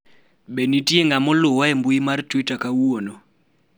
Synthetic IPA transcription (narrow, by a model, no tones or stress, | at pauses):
ɓenitieŋɡamɔlʊwaɛmbʊimartwitakawuonɔ